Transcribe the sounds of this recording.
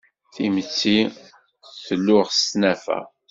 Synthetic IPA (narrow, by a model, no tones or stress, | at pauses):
θimət͡sːi | θəlːʊʁstnæfæ̰